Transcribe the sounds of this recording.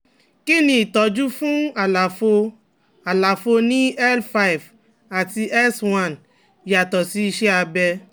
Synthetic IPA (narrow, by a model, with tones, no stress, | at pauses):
ki˦nĩ˦i˨tɔ˨˦d͡ʒu˦fũ˦a˨la˨fo˧ | a˨la˨fo˧nĩ˦ɛ˦lfa˧i˨v | a˨ti˧ʔɛ˦swã˦˨n | ja˨tɔ˨si˨˦i˧ʃɛ˦a˧bɛ˧